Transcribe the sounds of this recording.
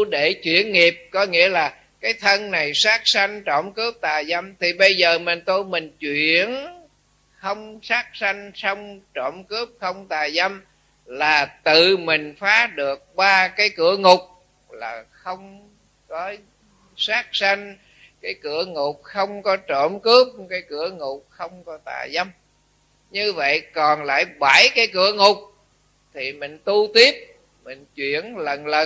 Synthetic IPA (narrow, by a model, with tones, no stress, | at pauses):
ɗe˧˩t͡ɕwḭ˧˥˨ənŋi˨˩əp̚kɔ˨˦ŋḭ˧˥əlaː˨˩ | kaː˨˦jt̪ʰə˧nna˨˩jsaː˦˥k̚sa˧ŋ̟t͡ɕo̰˧˩mkɨ˦˥əp̚t̪aː˨˩jza˧mt̪ʰi˨˩ɓə˧jzəː˨˩mi˨˩ŋt̪o˧jmï˨˩ŋ̟t͡ɕwi˧˨ən | xə˧wŋ͡msaː˦˥k̚sa˧ŋ̟sɔ˧wŋ͡mt͡ɕɔ˧˩mkɨ˦˥əp̚xə˧wŋ͡mt̪aː˨˩jza˧m | laː˨˩t̪ɨ˨˩mï˨˩ŋ̟faː˨˦ɗɨ˨˩ək̚ɓaː˧kaː˨˦jkɨ˧˩əŋʊ˨˩k͡p̚ | laː˨˩xə˧wŋ͡m | kɔ˨˦ | saː˦˥k̚sa˧ŋ | kaː˨˦jkɨ˧˩əŋʊ˨˩k͡p̚xə˧wŋ͡mkɔ˨˦t͡ɕo˧˩mkɨ˦˥əp̚kaː˨˦jkɨ˧˩˦əŋʊ˨˩k͡p̚xə˧wŋ͡mkɔ˨˦t̪a̰ː˧˨zə˧m | ɲɨ˧və̰˧˨jkɔ˨˩nla̰ː˧˨jɓa˧˩jkaː˨˦jkɨ˧˩əŋʊ˨˩k͡p̚ | t̪ʰi˨˩mï˨˩ŋ̟t̪u˧t̪i˦˥əp̚ | mï˨˩ŋ̟t͡ɕwḭ˧˨ənlə˨˩nlə˨˩